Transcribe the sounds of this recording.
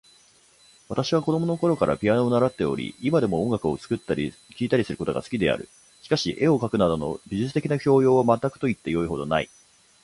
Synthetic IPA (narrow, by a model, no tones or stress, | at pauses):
β̞at̪aɕiβako̞d̪o̞mono̞ko̞ɾo̞kaɾʔa̰pʲianoːnaɾat̪ːe̞o̞̰ɾʲḭimad̪e̞mo̞õŋɡakɯ̟o̞t͡sɨ̥kɯ̟t̪ːaɾʲi | kʲiːt̪aɾʲisɨɾɯ̟kot̪o̞ɡa̰sɨ̥kʲid̪e̞̰a̰ɾɯ̟ | ɕi̥kaɕḭʔe̞o̞kakɯ̟nad̪o̞no̞̰bʲiʑɨt͡sɨ̥t̪e̞kʲinaçʲo̞ːjo̞ːβamat̪ːakɯ̟̥t̪o̞it̪ːe̞jo̞iɦo̞d̪o̞naḭ